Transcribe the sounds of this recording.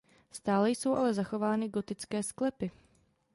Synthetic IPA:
st̪aːlɛjso̞wʔalɛzaxo̞vaːnɪɡo̞t̪ɪt͡skɛːsklɛpɪ

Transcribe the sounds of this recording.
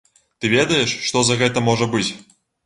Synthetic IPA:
t̪ɨvʲed̪əjeʂːt̪ozaɣɛt̪əmoʐəbɨtʲ

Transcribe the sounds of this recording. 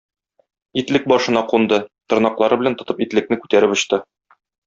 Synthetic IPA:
it̪lɘk̚bɒʃɤ̆nɑqund̪ɤt̪ŏɾnɑqlˠɑɾɤbɘ̆lænt̪ŏt̪ɤpit̪lɘ̆k̚nɘkʉ̥t̪æɾɘpŏɕt̪ɤ

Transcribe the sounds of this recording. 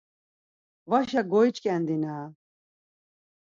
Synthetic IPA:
vaʃaɡɔjt͡ʃʼkʼɛnd̪ina

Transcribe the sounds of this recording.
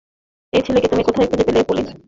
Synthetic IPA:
ejt͡ɕʰeleket̪omikot̪ʰaekʰud͡ʑepelepole

